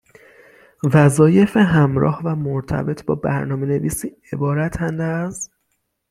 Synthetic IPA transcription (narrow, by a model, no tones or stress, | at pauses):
væzɒːje̞feɦæmɾɒ̰ːhvæmoɾt̪ʰæ̰be̞t̪ʰbɒ̰ːbæ̰ɾnɒːme̞ne̞viːsiː | e̞bɒːɾæt̪ʰænd̪æz